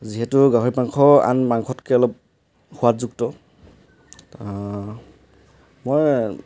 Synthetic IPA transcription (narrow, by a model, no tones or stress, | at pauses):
ziɦɛtʊɡaɦoɹipaŋkʰɔa̰nmaŋkʰɔtkɛɔlɔp̚ | huatzuk̚tɔ | moj